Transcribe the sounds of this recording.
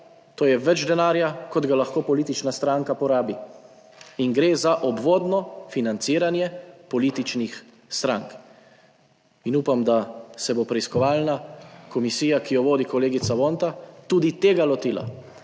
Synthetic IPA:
t̪oːjɛʋɛd͡ʒd̪ɛnaːɾjakɔd̪ɡalaxkoːpɔliːt̪it͡ʃnast̪ɾaŋkapɔɾaːbi | iŋɡɾeːzaʔɔbʋoːd̪nɔfinant̪siːɾanjɛpɔliːt̪it͡ʃnix | st̪ɾãŋk | inuːpamd̪asɛbopɾɛiskɔʋaːlnakɔmisiːjakijɔʋoːd̪ikɔleːɡit̪saʋoːnt̪at̪uːd̪it̪eːɡalɔt̪iːla̰

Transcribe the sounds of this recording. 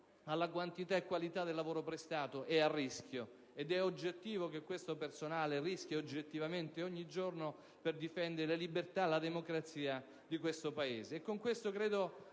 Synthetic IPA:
alːakwant̪it̪aekːwalit̪ad̪elːavoːɾopɾest̪aːt̪oʔearːiskʲjo | ed̪ɛod͡ʒːet̪ːiːvokekːwest̪opersonaːlerisk̟ʲjaod͡ʒːet̪ːivament̪eoɲːid͡ʒorno | perd̪ifɛnd̪eɾelelibert̪alːad̪emokɾat̪siːa | d̪ikwest̪opaeːzeːkːoŋkwest̪okɾeːd̪o

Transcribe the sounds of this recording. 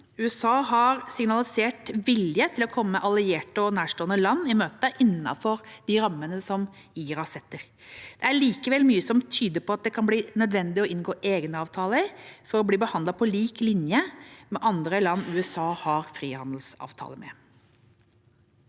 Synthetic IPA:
ʉɛsɑːɦɑɾsɪŋnɑlɪseːʈʋɪljət̪ʰɪlɔkʰɔmːəʔɑlɪeːʈəɔnæːʂʈoːənəlɑnːɪmøːt̪əʔɪnːɑ̰fɔɾd̪̥iɾɑmːənəsɔm | iːɾɑsɛt̪ːəɾ | d̪̥ɛæɭiːkəʋɛlmyːəsɔmt̪ʰyːd̪əpʰɔɑt̪̚d̪ɛkʰɑnbliːnœd̪ʋɛnd̪ɪɔʔɪnɡoːʔeːɡnəɑːʋt̪ʰɑːləɪfɔɾɔbliːbəhɑnd̪ɑpʰɔliːklɪnjəmɛʔɑnd̪ɾəlɑnːʉːɛsɑːhɑɾfɾiːhɑnd̪lsɑ̰ːʋt̪ʰɑ̰ːləmɛ̰

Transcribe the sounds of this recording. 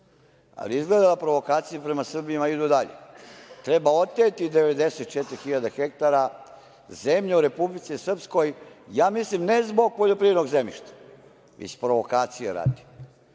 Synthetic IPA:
a̰liizɡled̪alapɾo̞ʋo̞kaːt̪sijupɾe̞masr̩biimaid̪ud̪aʎḛt̪ɾebao̞t̪ːet̪id̪eʋed̪eset̪̚t͡ʃet̪ɾixiʎad̪axek̚t̪aɾa | zemʎeuɾe̞publit̪sisr̩psko̞jjaːmislimnezbo̞ɡ̚poʎo̞pɾiʋed̪noɡzemḭʃt̪ḁ | ʋḭspɾo̞ʋo̞kaːt̪sijḛɾa̰ːd̪ni

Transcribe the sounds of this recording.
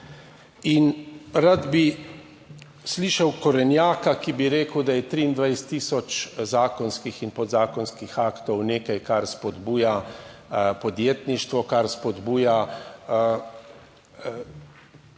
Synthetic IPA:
inɾad̪bi | sliːʃɐwkɔɾɛnjaːkakibiɾeːkəwd̪ajɛt̪ɾiːnd̪ʋajst̪ːiːsɔt͡ʃzaːkɔnskixinpɔd̪zaːkɔnskixaːkt̪ɔwneːkajkaɾspɔd̪buːja | pɔd̪jeːt̪niʃt̪ʋɔkaɾspɔd̪buːja

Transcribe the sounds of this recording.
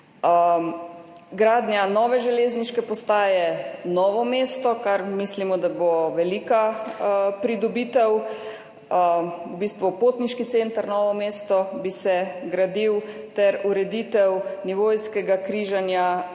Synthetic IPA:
ɡɾaːd̪njanɔːʋɛʒɛleːzniʃkɛpɔst̪aːjɛnɔːʋɔmeːst̪ɔkaɾmislimɔd̪aboʋɛliːka | pɾid̪ɔbiːt̪ɛw | ubiːst̪ʋupoːt̪niʃkit̪sent̪aɾnɔːʋɔmeːst̪ɔbisɛɡɾad̪iwt̪ɛɾuɾɛd̪it̪ɛwniʋojskɛɡakɾiːʒanja

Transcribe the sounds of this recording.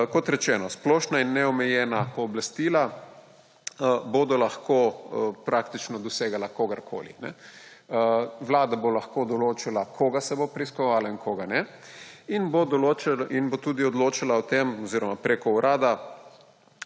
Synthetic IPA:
kɔt̪ɾɛt͡ʃɛːnɔsplɔːʃnainːɛɔmɛjɛːnapɔːblast̪iːla | bod̪ɔlaxkopɾakt̪it͡ʃnɔd̪ɔseːɡalakoːɡaɾkʰo̰ːlḭnɛ̰ | ʋlaːd̪abolaxkod̪ɔloːt͡ʃilakʰoːɡasɛbopɾɛiskɔʋaːlainkʰoːɡanɛ | inbod̪ɔloːt͡ʃalinbot̪uːd̪iɔd̪loːt͡ʃalaɔt̪emɔziːɾɔmapɾekɔuɾʔaːd̪a

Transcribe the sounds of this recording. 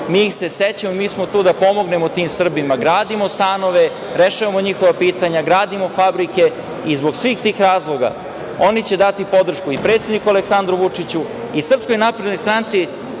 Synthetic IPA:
mijixse̞set͡ɕamoimiːsmot̪uːd̪apo̞mo̞ɡne̞mot̪iːmsr̩bimaɡɾaːd̪imost̪ano̞ʋe | ɾeʃaʋamo̞ɲixoʋapiːt̪aɲaɡɾaːd̪imo̞fabɾike̞ | izbo̞ɡsʋiːxt̪iːxɾaːzlˠo̞ɡa̰ | o̞nit͡ɕe̞d̪at̪ipo̞d̪r̩ʃkuipɾe̞t̪sed̪nikualeksand̪ɾuʋut͡ʂit͡ɕu | isr̩psko̞jnapɾed̪nojst̪ɾant̪si

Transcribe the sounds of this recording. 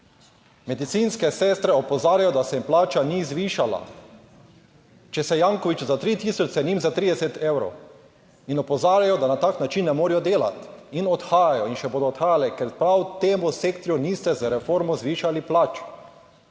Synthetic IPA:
mɛd̪it̪sinskɛsɛːst̪ɾɛɔpɔzaːɾʲjajɔd̪asɛmplaːt͡ʃanizʋiːʃala̰ | t͡ʃɛsɛjaŋkɔʋit͡ʃzat̪ɾit̪iːsɔt͡ʃt͡s̪ɛniːmzat̪ɾiːd̪ɛsɛt̪ewɾo̰w | inɔpɔzaːɾjajɔd̪anat̪aːknat͡ʃinːɛmoːɾijɔd̪eːla̰t̪inɔt̪xaːjajɔinʃɛboːd̪ɔːt̪xaːjalɛkɛɾpɾawt̪eːmuseːkt̪ɾjunist̪ɛzaɾɛfoɾmɔzʋiːʃaliplaːt͡ʃ

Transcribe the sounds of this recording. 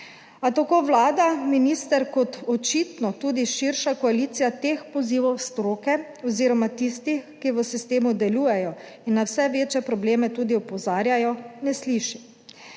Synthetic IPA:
at̪akoʋlaːd̪aminiːst̪ɛɾkɔt̪ɔt͡ʃiːt̪nɔt̪uːd̪iʃiɾʃakɔaliːt̪sijat̪eːxpɔziːʋɔwst̪ɾoːkɛ | ɔziːɾɔmat̪ist̪ixkiʋəsist̪eːmud̪ɛluːjɛjɔ | inːawsɛʋeːt͡ʃjɛpɾɔbleːmɛt̪uːd̪iɔpɔzaːɾjajɔnɛsliʃi

